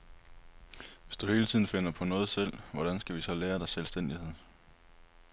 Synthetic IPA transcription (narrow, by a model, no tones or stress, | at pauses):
ʋe̝sd̥uhe̝ːlət͡sʰið̰ˠn̩fe̝n̰ɐpʰɒ̽nɔ̽ːð̞̩ˠsel̰ʋɒɾ̥ænsɡ̥æʋisɒ̽leːɐd̥ɑ̈ɪselsd̥en̰d̥ihe̝ð̰ˠ